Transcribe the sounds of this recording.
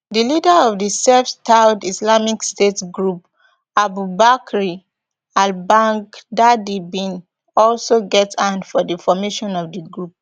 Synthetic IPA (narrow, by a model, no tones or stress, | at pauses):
dilidəɔvdisɛftʰaʊdislamikstetsɡɹup | abubakɹi | albãŋkdadibĩn | ɔlsoɡɛtsãndfɔdəfɔmeʃɔ̃nɔvdəɡɹup̚